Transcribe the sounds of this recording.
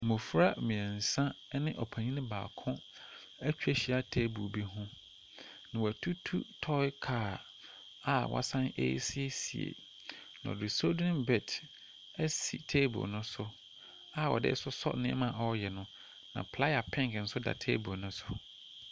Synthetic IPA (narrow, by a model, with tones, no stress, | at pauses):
mʊ̃˨fɾa˦mĩ˨ɛ˨n̩˨sã˦nɪ̃˦ʔɔ˨pʰã˨ɲĩ˦nɪ̃˦ba̰ː˨kʰʊ̃˦ | æ˦t͡ɕᶣe˦ɕi˦a˦tʰe˦bu˨bi˦ɦʊ̃˦ | nã˨wɔ˨æ˨tʰu˦tʰṵ˦tʰɔ˦ɪ˦kʰaː˨ | a˨wʔa̰˦sã˦nḛ˦si˦e˦sḭ˨ḛ˨ | nã̰˨ɔ̰˨dɪ˨so˦dʊ˦ɪ̃˦bɛ˨t | ɛ˦si˨tʰeː˦bʊ̰˨nʊ̃˦sʊ˦ | a˦˨wɔ̰˨dɪ̰˦sʊ˦sɔ̰˦nɪ̃˦ɛ̰˦mã˨ɔ˦jɛ˨nʊ̃˦ | nã̰˨pʰla˦ja˨pʰɪ̃˦ŋkn̩˨˦sʊ˦da̰˨tʰḛː˦bo˨nʊ̃˦sʊ˦